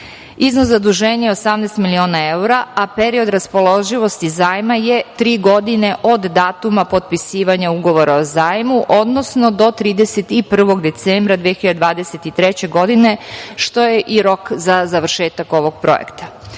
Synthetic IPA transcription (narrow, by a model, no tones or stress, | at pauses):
iznoszad̪uʒeːɲejeosamneːst̪milio̞ːnaeuɾaapeɾio̞d̪ɾaspo̞lˠo̞ʒiʋo̞st̪izaːjmajet̪ɾiːɡo̞d̪ine̞ʔod̪ːaːt̪umapo̞t̪̚pisiːʋaɲauɡo̞ʋo̞ɾaozaːjmuʔo̞d̪no̞sno̞d̪o̞t̪ɾiːd̪eset̪ipr̩ʋo̞ɡd̪e̞t̪seːmbɾad̪ʋiexiʎad̪ed̪ʋaːd̪e̞set̪it̪ɾɛt͡ɕe̞ɡo̞d̪ine̞ʃt̪o̞jeʔiɾo̞kzazaʋr̩ʃeːt̪ako̞ʋo̞ɡ̥̚pɾo̞̰jḛkt̪ḁ